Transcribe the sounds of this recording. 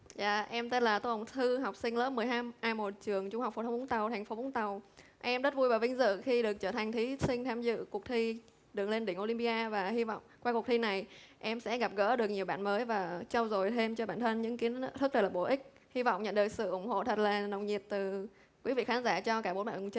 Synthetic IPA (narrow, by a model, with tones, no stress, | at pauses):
za̰ː˧˨ʔɛ˧mt̪e˦˥nlaː˨˩t̪o˧hə˨˩wt̪ʰɨ˧ɦɔ˨˩wk͡p̚sï˧ŋ̟lə̰ː˦˥p̚mɨ˨˩əjɦaː˧mʔaː˧mo˨˩t̚t͡ɕɨ˨˩əŋt͡ɕʊ˧ŋ͡ma˨˩k͡p̚fo˨˩t̪ʰwŋ͡mŋ͡mt̪a˨˩wt̪ʰɛ˨˩jŋ̟fo˨˦ɓʊ˨˦ŋ͡mt̪a˨˩wʔɛ˧mzə˦˥t̚vu˧jvaː˨˩wvï˧ŋ̟zɨ̰˧˨xi˧ɗɨ˨˩ək̚t͡ɕəː˧˩t̪ʰa˨˩ŋ̟t̪ʰi˨˦sï˧ŋ̟t̪ʰaː˧mzɨ̰˧˨ku˨˩ək̚t̪ʰi˧ | ɗɨ˨˩əŋle˧nɗï˧˩ŋʔo˧li˧mpi˧ʔaː˧vaː˨˩hi˧vɔ̰˧˨wŋ͡mkwaː˧kk̚t̪ʰi˧na˨˩jʔɛ˧msɛ̰˧˥ɣa˨˩p̚ɣə̰ː˧˥ɗɨ˨˩ək̚ɲi˨˩əwɓa̰ː˧˨nməː˨˦jvaː˨˩t͡ɕa˧wzo˨˩jt̪ʰe˧mt͡ɕɔ˧ɓaː˧˩nt̪ʰə˧nɲɨ̰˧˥ŋki˨˦ənt̪ʰɨ˦˥lə˨˩l̚ːɓo˧˩ʔï˦˥k̟̚ | hi˧va̰˧˨ŋ͡mɲə̰˧˨nɗɨ˨˩ək̚sɨ̰˧˨ʔʊ˧˩ŋ͡mho̰˧˨t̪ʰə˨˩t̚laː˨˩nə̰˨˧˨wŋ͡mɲi˨˩ət̚t̪ɨ˨˩ | kwi˨˦vḭ˧˨xaː˨˦nzaː˧˩t͡ɕɔ˧kaː˧˩ɓo˨˦nɓa̰ː˧˨˩t͡ɕə˧